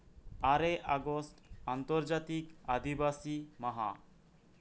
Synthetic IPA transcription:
aɾeʔaɡosʈant̪oɾd͡ʒat̪ikad̪ʱibasimaɦa̰

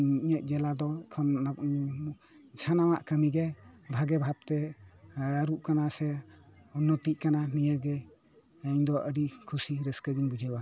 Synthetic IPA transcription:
iɲəʔ̚ˀd͡ʒɛlad̪ɔkʰɔn | d͡ʒʰanamaʔkəmiɡɛbʱaɡɛbʱab̚t̪ɛ | əɾuʔkanasɛunːɔt̪iʔ̚kananijaɡɛ | əɲd̪ɔʔəɖikʰusiɾəskəɡinbud͡ʒʱawa

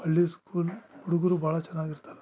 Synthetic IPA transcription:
ɐlːiskuːlhuɽuɡɐɾubʱaːɭɐt͡ʃɛnːaːɡiɾt̪aːɾe

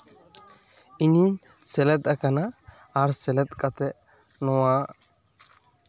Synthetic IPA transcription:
inin | sɛlɛt̪akanaː | ɾsɛlɛt̪kʼat̪ɛ | nɔwa

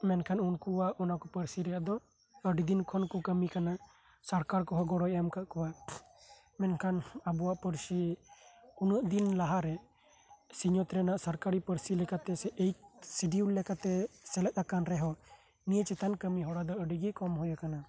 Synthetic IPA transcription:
mɛnkʰanunkuwaʔɔnakupəɾsiɾɛjaʔd̪ɔ | əɖid̪inkʰɔnkukəmikana | saɾkaɾkɔɦɔɡɔɽɔjɛmkaʔkɔwa | mɛnkʰanabuwaʔpəɾsi | unəʔd̪inlaɦaɾɛ | siɲɔt̪ɾɛnaʔsaɾkaɾipəɾsilɛkat̪ɛsɛʔejsiɖiullɛkat̪ɛsɛlɛt̪̚akanɾɛɦɔ | nijət͡ʃɛt̪ankəmiɦɔɽad̪ɔəɖiɡikɔmɦɔjakana

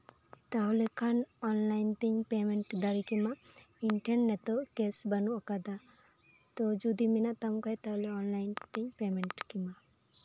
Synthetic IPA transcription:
t̪awlɛkʰanɔnlajnt̪ɛɲpɛmɛɳʈd̪aɽikimaiɳʈenːɛt̪ɔʔkɛsbanuʔakad̪a | t̪ɔd͡ʒud̪iminaʔt̪amkajt̪awlɛɔnlajnt̪ɛɲpɛmɛɳʈkima

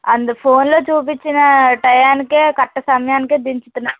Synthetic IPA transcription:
ɐnd̪upʰo̞ːnlo̞ːt͡ʃuːp̬it͡ʃːinɐʈɐjaːnikeːkɐʈːɐsɐmɐjaːnikeːd̪iɲt͡ʃu̥t̪unːaː

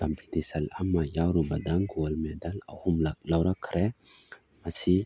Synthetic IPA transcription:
kampʰitisɐlamajawɾubadaŋɡolmedala̰humlalawɾakʰɾʔɛ | masi

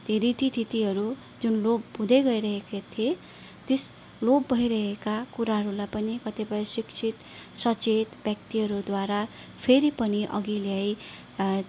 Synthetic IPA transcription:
d̪̥ʱeɾit̪ʰit̪ʰit̪iɦʌɾu | d͡zunlobud̪ʱʌjɡʌiɾʌɦekat̪ʰie | t̪es | lobːʌiɾʌɦekakuɾaɦʌɾulajpʌnikʌt̪ebʌjsikt͡sʰit̪ | sʌt͡set̪bjʌk̚t̪iɦʌɾud̪waɾapʰeɾipʌniʔʌ̰ɡileʌj

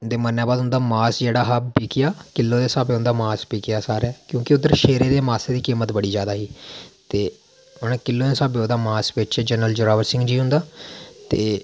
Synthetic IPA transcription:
d̪eːmənːjaːbaːd̪ɦʊ̃nd̪aːmaːsd͡ʒeːɽaːɦabiːkɪjaːkɪlːõːd̪eːsaːbeːɦʊ̃nd̪aːmaːsbiːkɪjaːsaːɾɛːkjõːkɪʊd̪ːəɾʃeːɾeːd̪eːmaːseːd̪iːkiːmət̪bəɽiːd͡ʒjaːd̪aːɦiːt̪eː | ɦʊnːkɪlːõːd̪eːsaːbeõnd̪aːmaːsʋɪt͡ʃɛːd͡ʒənɾəld͡ʒʊɾaːʋəɾsɪ̃ŋɡd͡ʒiːɦʊ̃nd̪aːt̪eː

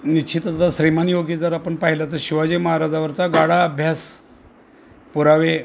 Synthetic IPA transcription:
nit͡ɕʰit̪ət̪ad̪aɕɾimanjoɡid͡zəɾapəɳpaɦilat̪̬əɾɕiʋad͡ʑiməɦaɾad͡zaʋəɾt͡saɡaɽaəbʱjas | puɾaʋe

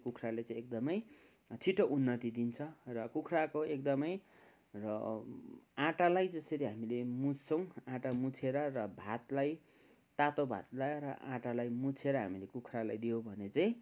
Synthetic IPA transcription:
kukʰralet͡saĩek̚d̪ʌmʌj | t͡sʰiʈoʔunːʌt̪id̪int͡sʰʌrʌkukʰrakoek̚d̪ʌmʌj | rʌ | ãʈalajd͡zʌst̪ʌɾiɦamilemud͡zsʌw̃ãʈamut͡sʰeɾʌrʌbʱat̪laj | t̪at̪obʱa̰t̪laɾʌʔãʈalajmut͡sʰeɾʌɦamilekukʰralajd̪ijobʱʌnet͡saj̃

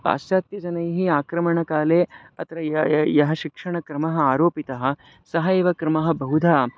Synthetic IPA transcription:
pa̰ːsjaːt̪jɐd͡ʒɐnɐjɦiaːkɾɐmɐɳɐkaːleː | ɐt̪ɾɐjɐɦɐ̆ʃikʂɐɳɐkɾɐmɐɦɐ̆aːɾoːpit̪ɐɦɐ̆ | sɐɦɐeːʋɐkɾɐmɐɦɐ̆bɐɦud̪ʱaː

